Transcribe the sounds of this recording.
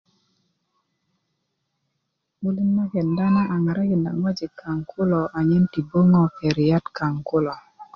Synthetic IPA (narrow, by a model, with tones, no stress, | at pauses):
bu˦li˦nma˦kɛ˨nda˦na˦ʔa˨ŋa˨ɾa˦kɪ˨nda̰˨ŋwa˦d͡ʒi˨kʰa˨ŋkʰʊ˦lɔ˨ʔa˨ɲɛ˦nti˨bo˦ŋɔ˦kɛ˨ɾi˨ja˦tka˨ŋkʊ˦lɔ˨